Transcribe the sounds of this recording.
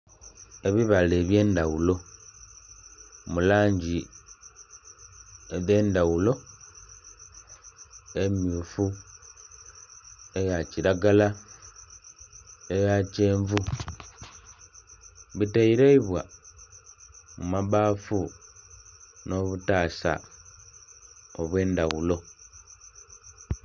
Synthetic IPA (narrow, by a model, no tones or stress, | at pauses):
e̞βiβale̞ːβje̞ːndawulo̞ | mulaːɲɟi | eðe̞ːndawulo̞ | e̞mjufu | e̞jaciɾaɡala | ejace̞ːɱvu | βiteiɾeiβwa | mumaβaːfu | no̞βutaːsa̰ | oβwe̞ːndawulo̞